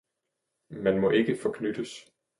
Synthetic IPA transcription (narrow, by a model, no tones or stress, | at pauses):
mænmɒ̽ʔe̝ɡ̥əfɒ̽kʰnyd̥əs